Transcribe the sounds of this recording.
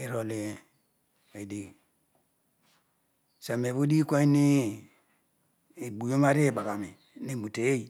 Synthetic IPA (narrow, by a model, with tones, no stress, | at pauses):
i˨ɾo˨li˨ | e˨di˨ | sa˨me˨βu˦di˦kʷa˦i˦ni˦˨ | bu˨jo˦ma˦ɾe˦˨ba˨ɡa˨mi˨ | ni˦˨mu˨te˨je˦i˨